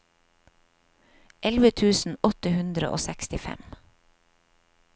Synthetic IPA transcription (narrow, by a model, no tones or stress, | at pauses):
ʔɛlʋət̪ʰʉːsn̩ɔt̪əhʉnd̪ɾə̰ʔo̰ːsɛkst̪ɪfɛ̰m